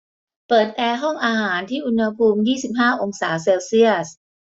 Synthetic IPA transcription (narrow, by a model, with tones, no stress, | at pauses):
pɤː˨˩t̪̚ʔɛː˧ɦɔ˥˩ŋʔaː˧ɦaː˩˦nt̪ʰiː˥˩ʔu˧nha˧pʰuː˧mjiː˥˩si˨˩p̚ɦaː˥˩ʔo˧ŋsaː˩˦seː˧wsi˥˩əs